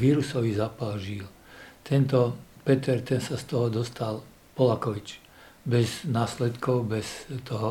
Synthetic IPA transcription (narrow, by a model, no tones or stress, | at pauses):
ʋiːɾusɔʋizaːpalʒil | t̪ɛnt̪ɔpɛt̪ɛɾt̪ɛnsast̪ɔɦɔd̪ɔst̪al | pɔlakɔʋit͡ʃ | bɛznaːslɛt̪kɔʊbɛst̪ɔɦɔ